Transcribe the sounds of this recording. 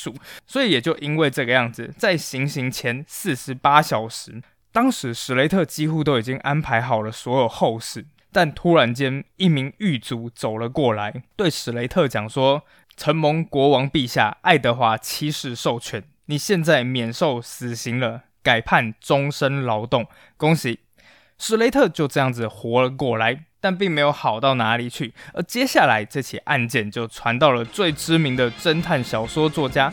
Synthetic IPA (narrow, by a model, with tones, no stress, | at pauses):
u˨˩swɔ˧˥i˧˥jɛ˨˩t͡ɕjo˥˧ʊʔi˦˥nwe˥˧ɪʈ͡ʂɤ˥˧˩ɡə˩jɑ˥˩ŋd͡z̩˨˩t͡sa˥˩ɪɕi˧˥ŋɕi˧˥ŋt͡ɕʰjɛ˧˥ns̩˥˩ʂɻ̩˧˥pa˥ɕjɑ˨˩ʊʂɻ̩˧˦ | t̪ɑ˥ŋʂɻ̩˧˥ʂɻ̩˨˩le˧˥ɪt̪ʰɤ˥˩t͡ɕi˥xu˥˧t̪o˥ʊi˨˩t͡ɕi˦˥ŋʔa˦˥npʰa˧˥ɪxɑ˨˩ʊlə˦swɔ˧˦˥jo˨˩ʊxo˥˧ʊʂɻ̩˥˩ | t̪a˥˩nt̪ʰu˥ɻa˧˥nt͡ɕjɛ˥ni˥˩mi˧˥ŋy˥˩t͡su˧˥t͡so˨˩ʊlə˦kwɔ˥˩la˧˦ɪt̪we˥˩ɪʂɻ̩˨˩le˧˥ɪt̪ʰɤ˥˨t͡ɕjɑ˨˩ŋʂwɔ˥ | ʈ͡ʂʰə˧˥nmʊ˧˥ŋkwɔ˧˥wɑ˧˥ŋpi˥˧ɕja̰˥˧ʔa˥˩ɪt̪ɤ˧˥xwa˧˥t͡ɕʰi˥ʂɻ̩˥˧ʂo˥˩ʊt͡ɕʰɥɛ˧˥n | ni˨˩ɕjɛ˥˧nt͡sa˥˩ɪmjɛ˨˩nʂo˥˩ʊsɹ̩˨˩ɕi˧˥ŋlə˧ | ka˨˩ɪpʰa˥˩nʈ͡ʂʊ˥ŋʂə˥nlɑ˧˥ʊt̪ʊ˥˩ŋ | kʊ˥ŋɕi˧˥ | ʂɻ̩˨˩le˧˥ɪt̪ʰɤ˥˧t͡ɕjo˥˧ʊʈ͡ʂɤ˥˧jɑ˥˩ŋd͡z̩˨˩xwɔ˧˥lə˨kwɔ˥˩la˨˧˦ɪt̪a˥˧np̬i˥˩ŋme˧˥ɪjo˧˩ʊxɑ˨˩ʊt̪ɑ˥˩ʊna˧˥li˨˩t͡ɕʰy˥˩ə˧˥t͡ɕjɛ˥ɕja˥˩la˧˥ɪʈ͡ʂɤ˥˧˩t͡ɕʰḭ˨˩ʔa˥˧nt͡ɕjɛ˥˨nt͡ɕjo˥˩ʊʈ͡ʂʰwa˧˦nt̪ɑ˥˩ʊlə˩t͡swe˥˨˩ɪʈ͡ʂɻ̩˥mi˧˥ŋd̪ə˨ʈ͡ʂə˥nt̪ʰa˥˩nɕjɑ˨˩ʊʂwɔ˥t͡swɔ˥˨t͡ɕja˥